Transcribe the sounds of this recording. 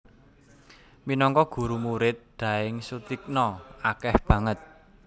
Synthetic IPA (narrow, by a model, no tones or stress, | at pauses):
minɔŋkɔɡ̥ṳɾumuɾɪt̪̚d̪̥ä̤ɪŋsut̪ik̚nɔakɛhb̥ä̤ŋət̪̚